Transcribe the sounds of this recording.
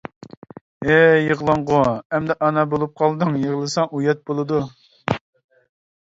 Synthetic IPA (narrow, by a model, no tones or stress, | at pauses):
ejəʁlˠɑɴʁʊɛmd̪ɛʔɑnɑbolˠup̚qʰɑlˠd̪ɨŋjəʁlˠɨsɑŋʔujɛt̪̚bolˠɨd̪u